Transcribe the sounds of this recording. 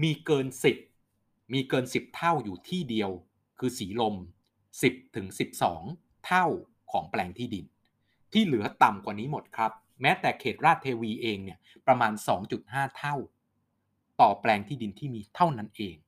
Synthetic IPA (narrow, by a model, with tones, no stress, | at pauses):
miː˧kɤː˧nsi˨˩p̚ | miː˧kɤː˧nsi˨˩p̚t̪ʰa˥˩wjuː˨˩t̪ʰiː˥˩di˧əw | kʰɯː˧siː˩˦lo˧m | si˨˩p̚t̪ʰɯ˩˦ŋsi˨˩p̚sɔ̰ː˩˦ŋ | t̪ʰa˥˩w | kʰɔː˩˦ŋplɛː˧ŋt̪ʰiː˥˩di˧n | t̪ʰiː˥˩lɯ˩˦ɐt̪a˨˩mkwaː˨˩niː˦˥mo˨˩t̪̚kʰɾa˦˥p̚ | mɛː˦˥t̪ɛː˨˩kʰeː˨˩t̪̚ɾaː˥˩t̪ʰːeː˧wiː˧ʔeː˧ŋni˥˩ɐ | pɾa˧maː˧nsɔː˩˦ŋt͡ɕu˨˩t̪̚haː˥˩t̪ʰa˥˩w | t̪ɔː˨˩plɛː˧ŋt̪ʰiː˥˩di˧nt̪ʰiː˥˩miː˧t̪ʰa˥˩wna˦˥nʔeː˧ŋ